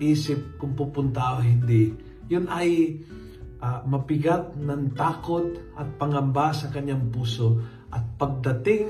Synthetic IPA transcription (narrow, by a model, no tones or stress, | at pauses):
ʔiːsɪp̚kʊŋpupʊnt̪aʔoɦɪnd̪ɪ | jʊnʔɐj | ʔamɐpɪɡat̪̚nɐŋt̪aːkot̪ʔɐt̪̚pɐŋɐmbasɐkɐɲːaŋpuːso | ʔɐt̪̚pɐɡ̚d̪ɐt̪ɪŋ